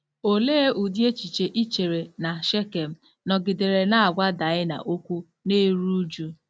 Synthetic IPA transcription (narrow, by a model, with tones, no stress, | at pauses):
o˨leː˦u˨di˦e˦t͡ʃi˨t͡ʃe˨ʔi˦t͡ʃe˨ɾe˨na˨ʃe˦ke˨m̩˦ | nɔ˨ɡɪ˨de˨ɾe˨na˦a˨ɡʷa˦da˨ɪ˦na̰˨ʔo˦kʷu˦ | ne˦ɾu˦d͡ʒu˦